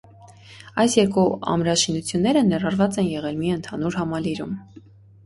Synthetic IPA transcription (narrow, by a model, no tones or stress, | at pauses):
ɑjsjɛɾkuɑ̰mɾɑʃinut͡sʰjunːɛɾənɛrɑɾvɑt͡sɛnjɛʁɛlmiənt̪ʰɑnuɾɦɑmɑliɾum